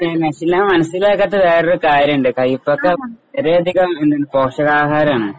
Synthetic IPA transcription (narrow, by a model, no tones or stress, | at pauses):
enesilːaːmɐnɐsːileːkːɐt̪ːɨʋeːroɾukaːɾuɳɖɨkɐjipːokːeeɾejɐd̪ʱiɣɐmend̪unɨpo̞ːkʂɐɣaːɦaːɾɐmaːɳɨ